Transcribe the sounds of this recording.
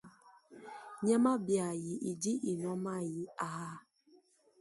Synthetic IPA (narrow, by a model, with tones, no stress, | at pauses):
ɲɛ˦ma˦bja˨ji˨ʔi˨di˦ʔi˨nɔ˦ma˦ji˦a˨a˦